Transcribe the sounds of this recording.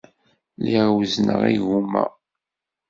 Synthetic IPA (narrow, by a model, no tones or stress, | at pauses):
liʁwznəʁiʝumæ̰